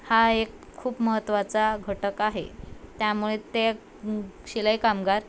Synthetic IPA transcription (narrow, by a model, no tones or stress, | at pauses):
haekʰːuːpməɦət̪ːʋat͡saɡʱəʈəkaɦḛt̪jamuɭet̪e | ɕiləjkamɡaɾ